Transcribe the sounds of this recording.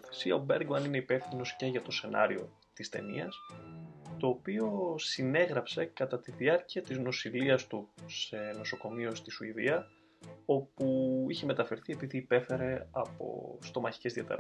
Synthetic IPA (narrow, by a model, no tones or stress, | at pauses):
θesiɐ̰obe̞ɾɡmɐnine̞ipe̞fθino̞sce̞ʝɐt̪o̞se̞nɐ̰ɾio̞ | t̪ist̪e̞̰nḭɐs | t̪o̞ːpio̞sine̞ɣɾɐpse̞kɐt̪ɐt̪iðiɐɾciɐt̪izno̞siliɐst̪use̞no̞so̞ko̞mio̞st̪isuiðiɐ | o̞puiçe̞me̞t̪ɐfe̞ɾθie̞piðiːpe̞fe̞ɾe̞ɐpo̰st̪o̞mɐçi̥ce̞zðiɐt̪ḛɾ